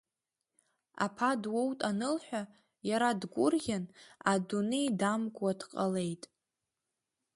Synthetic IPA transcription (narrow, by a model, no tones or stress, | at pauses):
a̰pʰadwo̞wtʼanɨlħʷᶣa | jaɾadɡʷʊrɡʲanadunejdamɡʷʼad̥qʼale̞jtʼ